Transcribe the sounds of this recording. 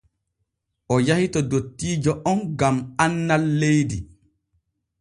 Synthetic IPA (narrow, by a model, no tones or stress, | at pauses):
ʔɔjahitɔdotːiːd͡ʒɔʔɔnɡamanːalːejdi